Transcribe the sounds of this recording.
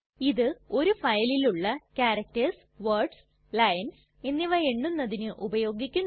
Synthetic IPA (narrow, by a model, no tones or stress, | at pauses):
iðɨo̞ɾufɐjɐliluɭːɐkaːɾɐk̚tɐrs | ʋɐrɖs | lɐjɐns | e̞nːiʋɐeɳːunːɐðinɨʔubɐjo̞ːɡikʲːun